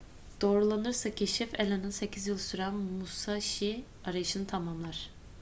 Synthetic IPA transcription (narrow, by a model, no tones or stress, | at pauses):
d̪̥o̞ːɾulˠanɯɾsacʰeʃifelʲanɯnsecʰizjɯlˠsyɾamusaʃi | aɾajɯʃɯnɯt̪ʰamamlˠaɾ̥